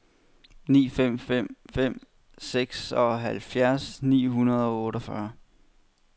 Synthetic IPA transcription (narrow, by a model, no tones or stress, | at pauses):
nḭːfem̰fem̰fem̰ | seɡ̥sɒ̽ɦælfjæɐsnḭːɦunɐð̞̩ˠɒ̽ɔːɾ̥ɒfɶɐ